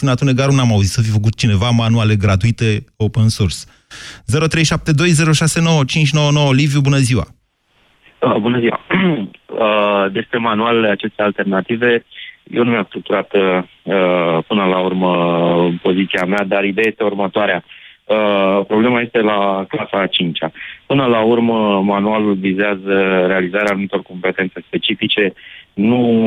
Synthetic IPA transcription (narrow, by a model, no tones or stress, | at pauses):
sunat̪uneɡaɾunamauzit̪səfifəkut̪̚t͡ʃine̞vamanuale̞ɡɾat̪uit̪e̞o̞pənsors | ze̞ɾo̞t̪ɾejʃap̚t̪e̞d̪o̞jze̞ɾo̞ʃase̞no̞wət͡ʃint͡ʃʲno̞wəno̞woəlivjubunəziwa̰ | əbunəziwa̰ | əd̪e̞spɾe̞manualat͡ʃe̞st̪ealt̪e̞rnat̪ive̞jewnumʲamst̪ɾuk̚t̪uɾat̪ | əpɨnəlaurməpo̞zit̪siamead̪aɾid̪eejest̪e̞urmət̪oaɾeaəpɾo̞ble̞maje̞st̪e̞laklasat͡ʃint͡ʃapɨnəlaurməmanualulvizeazəɾe̞alizaɾeanumit̪o̞rko̞mpe̞t̪e̞nt̪se̞spe̞t͡ʃifit͡ʃe̞nu